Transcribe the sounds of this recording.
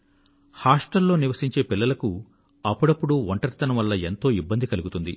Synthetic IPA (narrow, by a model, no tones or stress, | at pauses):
haːʂʈɐlːo̞ːniʋɐsiɲt͡ʃe̞ːpilːɐlɐku | ɐpːuɽɐpːuɽuʋɔɳʈɐɾit̪ɐnɐmʋɐlːɐe̞nt̪o̞ːibːɐnd̪ikɐluɡut̪und̪ḭ